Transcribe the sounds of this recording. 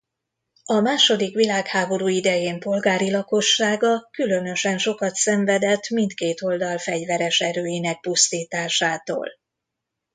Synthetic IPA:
ɒmaːʃo̞d̪ikʋilaːkhaːbo̞ɾuːid̪ɛjeːmpo̞lɡaːɾilɒko̞ʃːaːɡɒkylø̞nø̞ʃɛnʃo̞kɒt̪sɛɱvɛd̪ɛt̪ːmint̪keːt̪o̞ld̪ɒlfɛɟvɛɾɛʃɛɾøːjinɛk̚pust̪iːt̪aːʃaːt̪o̰ːl

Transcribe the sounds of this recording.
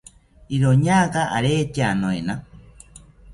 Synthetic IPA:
iɾoɲaːkaʔa̰ɾeːt͡ʃanoena

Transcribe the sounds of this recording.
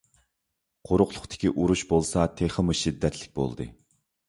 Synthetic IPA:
qʰoɾʊqlˠʊχt̪ʰɪ̥kʲiʔuɾuʃbolˠsɑt̪ʰeχəmuʃid̪ːɛt̪ʰlɪk̚ʲbo̰lˠd̪ɨ̰

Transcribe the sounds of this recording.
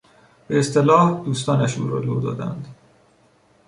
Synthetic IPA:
beːst̪e̞lɒːhd̪uːst̪ɒːnæʃṵːɾɒːlod̪ɒ̰ːd̪æ̰nd̪

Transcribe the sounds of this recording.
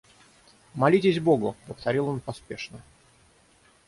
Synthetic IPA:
mɐlʲitʲɪzʲbo̞ɡʊpəft̪ɐɾʲilˠo̞npɐspʲe̞ʂnə

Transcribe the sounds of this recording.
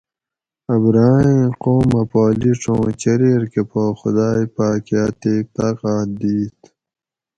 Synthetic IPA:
ɐbɾaːĩqoːmɐpaːliʈ͡ʂõːt͡ɕeɾeɾkepoxʊd̪aːjpaːkjaːt̪eːk̚t̪aqaːd̪iːt̪

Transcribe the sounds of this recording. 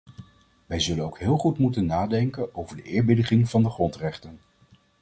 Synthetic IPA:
ʋɛjzɵlənowkɦɪːlˠχutmutənːaːdɛŋkənowvəɹdəɪːɹbɪdəχɪŋv̥ɑndəχrɔntrɛχtən

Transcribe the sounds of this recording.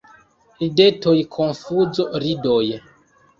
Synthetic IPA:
idetojkʰonfuzoɾidoj

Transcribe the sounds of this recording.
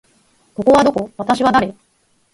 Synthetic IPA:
ko̞ko̞βad̪o̞ko̞βat̪aɕiβad̪aɾe

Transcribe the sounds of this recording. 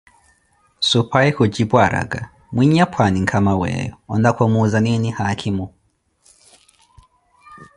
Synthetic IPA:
supʰaɛkɔd͡ʒibwaɾʔa̰ɡa | mwiɲapwaniŋkʰamawɛ̰jɔ̰ɔndakʰɔmuzaninihakʰimu

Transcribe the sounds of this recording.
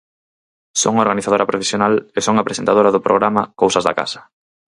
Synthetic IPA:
soŋaoɾɣaniθaðoɾapɾofesjonalesoŋapɾesent̪aðoɾaðʊpɾoɣ̞ɾamakowsɐzða̰ka̰sɐ̥

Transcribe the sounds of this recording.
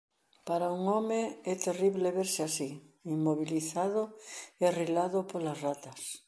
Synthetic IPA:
paɾauŋomeɛt̪eriβleβeɾseasiimmoβ̞iliθaðorilaðopolazrat̪as

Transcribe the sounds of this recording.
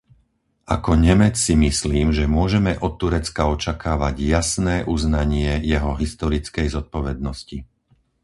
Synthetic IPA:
ʔa̰kɔɲɛmɛt͡ssimisliːmʒɛmʊɔʒɛmɛʔɔt̪ːuɾɛt͡skaɔt͡ʃakaːʋaɟjasnɛːʔuznaɲɪɛjɛɦɔɦist̪ɔɾit͡skɛjzɔt̪̚pɔʋɛd̪̚nɔsci

